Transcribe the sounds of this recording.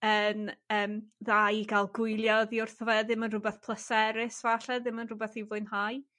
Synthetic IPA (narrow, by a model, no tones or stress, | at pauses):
ənəːmðajɡalˠɡʊjlˠjɔðiʊrθvɛðɪmənrʊbɛθpʰlˠəsɛɾɪsvaɬɛðɪmənrʊbɛθivʊɨnhaj